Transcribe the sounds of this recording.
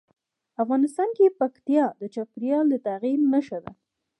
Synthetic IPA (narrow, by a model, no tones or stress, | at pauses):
afɣɑnɪst̪ɑnkepakt̪ijɑd̪ət͡ʃapɾjɑld̪ət̪aɣiɾnəʃad̪a̰